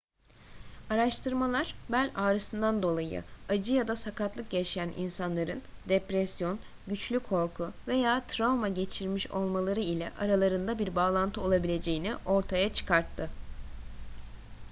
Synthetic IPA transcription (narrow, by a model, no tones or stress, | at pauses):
aɾaʃt̪ʰɯɾmalˠaɾ̥bælʲaːɾɯsɯnd̪and̪o̞lˠajɯ̰ad͡ʒɯjad̪asakat̪lˠɯk̚ɟɛʃijænʔḭnsanlˠaɾɯnd̪ɛpɾɛsjo̞n | ɟyt͡ʃlʲykʰo̞ɾkʰuve̞jaːt̪ʰɾavmaɟe̞t͡ʃʰiɾmiʃo̞̰lˠmalˠaɾɯilʲɛ̰ʔaɾalˠaɾɯnd̪abiɾbaːlˠant̪ʰɯo̞lˠabilʲe̞d͡ʒe̞jiniʔo̞ɾt̪ʰajat͡ʃʰɯ̥kʰaɾt̪ʰːɯ